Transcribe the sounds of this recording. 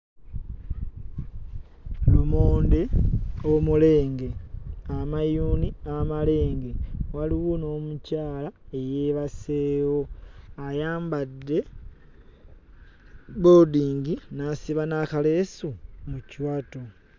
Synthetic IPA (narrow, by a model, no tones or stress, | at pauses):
lumoːndeomule̞ːŋɡe̞amajuːniamale̞ːŋɡe̞waliɣuno̞ːmucaːlae̞jeβaseːwoajaːmbadːe̞ | βodiːŋɡinasiβanakale̞sumuciwato